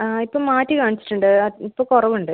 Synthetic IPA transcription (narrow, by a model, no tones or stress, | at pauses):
aːipːoːmaːtːɨkaːɳit͡ɕːi̥ʈːuɳɖɨɐipːoːkurɐʋuɳɖɨ